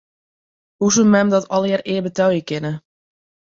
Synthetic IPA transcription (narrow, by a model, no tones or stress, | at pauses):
husumɛmdɔtɔlˠjərɪːbətœwjəkɪnə